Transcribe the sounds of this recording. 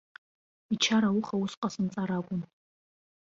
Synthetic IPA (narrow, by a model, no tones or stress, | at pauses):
it͡ʃʰaɾawuχawusqʼasɨnt͡sʼaɾaɡʷʼʊn